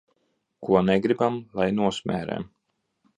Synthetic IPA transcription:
kuɔnɛɡɾibamlˠajnuɔsʲmʲæ̰ːɾɛ̰m

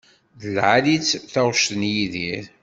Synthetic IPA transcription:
ðəlʕalit͡sːθæʁʃt̪ənjiðiɾ

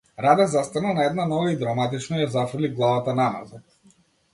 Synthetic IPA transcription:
ɾad̪ɛzast̪analˠnaɛd̪nanɔvaid̪ɾamat̪it͡ʃnɔjazafr̩liɡlˠavat̪anama̰za

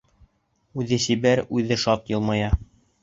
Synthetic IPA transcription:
ʉðɘsibæɾʉðɘʃɑt̪jɤ̆lˠmɑjɑ

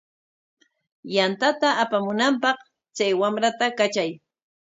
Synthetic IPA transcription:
jant̪at̪aːpamʊnampɑχ | t͡ʃajwamɾat̪akat͡ʃaj

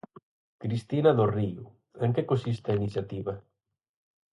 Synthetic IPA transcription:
kɾist̪inaðoriu | eŋkekonsist̪ainiθjat̪iβa

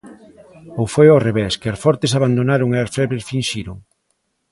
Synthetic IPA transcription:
owfojoreβɛskeasfɔɾt̪es̬aβand̪onaɾoŋeaɾfɛβɾefinʃiɾoŋ

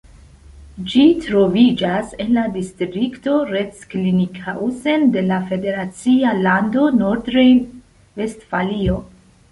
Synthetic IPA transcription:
d͡ʒitɾo̞vid͡ʒase̞nladistɾikto̞ɾetsklinikause̞nde̞lafe̞de̞ɾat͡sialando̞noɾdɾejn | ve̞stfalio̞

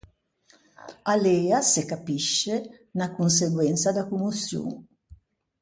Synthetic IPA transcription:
aleːasekapiʃːe | nakuns̬eɡwɛnt̪sad̪akumusjṵŋ

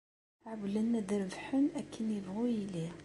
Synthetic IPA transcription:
ʕəblənːæðəɾvħənækʰːənjəvʁujili

